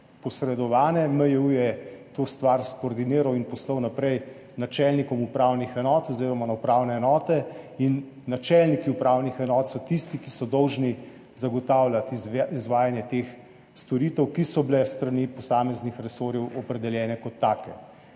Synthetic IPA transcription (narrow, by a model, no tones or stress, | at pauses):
pɔsɾɛd̪ɔʋaːnɛmɛjɛwjɛt̪oːst̪ʋaɾskoːɾd̪iniːɾawinpɔsləwnapɾɛj | nat͡ʃɛlnikɔmupɾaːwnixɛnɔːt̪ɔziːɾɔmanaupɾaːwnɛːnɔːt̪ɛinː | at͡ʃɛlnikiupɾawnixɛnɔːt̪sɔt̪ist̪ikisɔd̪ɔwʒni | zaɡɔt̪awlʲjat̪iizʋaːjanjɛt̪ex | st̪ɔɾiːt̪ɛwkisɔblɛst̪ɾanipɔsaːmɛznixɾɛsoːɾjɛwʔɔpɾɛd̪ɛljɛːnɛkɔt̪ːaːkɛ